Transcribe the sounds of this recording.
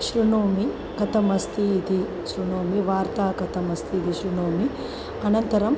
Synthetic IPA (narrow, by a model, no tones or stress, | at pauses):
ʃɾinoːmi | kɐt̪ɐmɐst̪iːd̪i | ʃɾinoːmiʋaːɾt̪aːkɐt̪ʰɐmɐst̪ʰiːd̪iʃɾinoːmi | ɐnɐnt̪ɐɾɐm